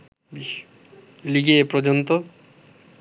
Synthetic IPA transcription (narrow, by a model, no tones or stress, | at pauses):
biʃ | liɡepɾod͡ʑont̪o